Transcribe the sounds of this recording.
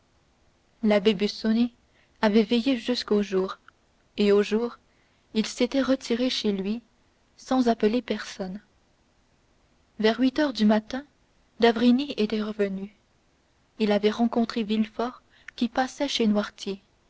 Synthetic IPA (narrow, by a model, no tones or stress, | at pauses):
labebysone | avɛvɛjeʒyskoʒuːʁ | eoʒuːʁ | ilset̪ɛʁət̪ʰiʁeʃelɥi | sɑ̃zapəlepɛʁsɔn | vɛʁɥit̪œʁd̪ymat̪ɛ̃ | d̪avʁiniet̪ɛʁəvəny | ilavɛʁɑ̃kɔ̃t̪χevilfɔːʁ | kʲipasɛʃenwaʁt̪je